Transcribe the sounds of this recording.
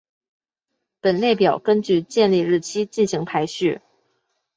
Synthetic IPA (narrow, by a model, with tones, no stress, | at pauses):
pə˨˩nle˥˩ɪpjɑ˨˩ʊkə˥nt͡ɕy˥˧t͡ɕjɛ˥˧nli˥˧ɻɻ̩˥˩t͡ɕʰi˥t͡ɕi˥˩nɕi˧˥ŋpʰa˧˥ɪɕy˥˩